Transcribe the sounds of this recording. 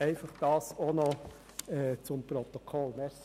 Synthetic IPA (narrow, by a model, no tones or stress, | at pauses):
ɛɪfɑχd̥ɑːsonɔ | ɛt͡sʊmpɾɔt̪ɔkʰɔlmɛɾs